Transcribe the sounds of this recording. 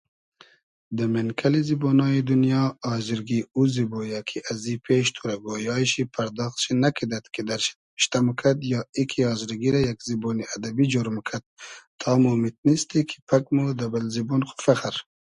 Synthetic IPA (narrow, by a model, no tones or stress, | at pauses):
d̪ɐmenkʰɐlizibonɑːid̪unjɑːziɾɡiuzibojakʰiʔazipʰeʃt̪ʰuɾaɡojɑːʃipʰɐɾd̪ɑːxt̪ʃinakʰid̪at̪kʰid̪aɾʃ | ʃt̪amukʰad̪jɑːikʰiɑːzɾiɡiɾajakziboniad̪abid͡ʒoɾmkʰad̪̚t̪ʰːɑːmumit̪̚nist̪ikʰi̥pʰakmud̪abalzibunxu̥faxaɾ